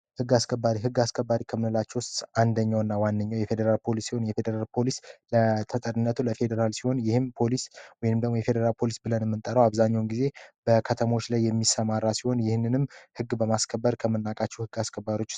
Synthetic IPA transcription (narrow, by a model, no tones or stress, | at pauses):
hɨɡːaskʰəbːaɾiɦɨɡːaskʰəbːaɾikʰəmɨnɨlat͡ʃːɛwʊst̪and̪əɲːawɨnːawanːəɲːawjɛfe̞d̪əɾalpʰo̞lisːiho̞njɛfe̞d̪əɾalpʰo̞lislət̪ʰət̪ʼəɾɨnːət̪ʰuləfe̞d̪əɾalsiho̞njɪhɨmpʰo̞liswɔjnɨmd̪əɡmo̞jɛfe̞d̪əɾalpʰo̞lisbɨlənmːɨnt̪ʼəɾəwaβzaɲːawnɡize̞b̥əkʰət̪ʰəmo̞t͡ʃːlajːɛmːisəmaɾːasiho̞njɪhnːɨnɨmhɨɡːbəmaskʰəbːəɾkʰəmənːakʼat͡ʃːɛwhɨɡːaskʰəbːaɾo̞t͡ʃː